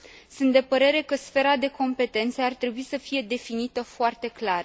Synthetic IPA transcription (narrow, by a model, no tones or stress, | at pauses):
sunt̪d̪e̞pəɾe̞ɾe̞kəsfe̞ɾad̪e̞ko̞mpe̞t̪e̞nt̪səart̪ɾe̞buisəfije̞d̪e̞finit̪əfoart̪e̞klar